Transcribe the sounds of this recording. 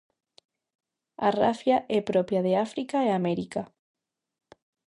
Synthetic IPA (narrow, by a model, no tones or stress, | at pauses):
arafjaʔɛpɾopjaðeafɾikaeameɾika